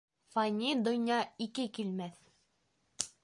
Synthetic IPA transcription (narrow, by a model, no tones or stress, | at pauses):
fɑnʲid̪ŏnjɑikɘkilmæθ